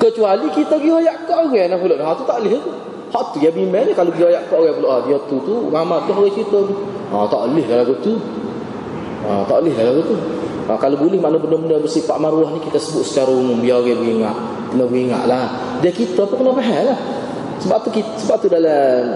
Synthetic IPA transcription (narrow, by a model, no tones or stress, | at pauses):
kət͡ʃualikit̪aɡiajaʔkaʔoɣɛnapulɔʔdaɦaʔt̪ut̪aʔlɪhak̪u | hɔʔt̪ujabimɛɲəkaloɡiajaʔkaʔoɣɛpuloʔhaʔdiat̪ut̪uŋamat̪̚laɦoɣɛt͡ʃit̪ɔnu | at̪aʔəlɪhlalaɡut̪u | ət̪aʔəlɪɦlalaɡut̪u | akalobulɪhmanəbənəbənəbərsifaʔmaɾuwɔhnikit̪asəbʊt̪̚sə̥t͡ʃaɾaumʊmbiaɣɛbəiŋa̰ʔ | t̪ənəbəiŋa̰ʔlah | d͡ʒakit̪apukənapaɦɛlah | səbaʔ̚t̪ukisəbaʔ̚t̪udala